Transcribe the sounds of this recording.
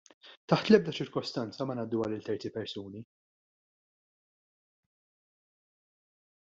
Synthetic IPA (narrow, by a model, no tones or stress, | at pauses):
t̪ɐħt̪lɛb̚d̪ɐt͡ʃɪɾkɔst̪ɐnt͡sɐmɐnɐd̪ːuɐlɪlt̪ɛɾt̪ipɛɾsuːni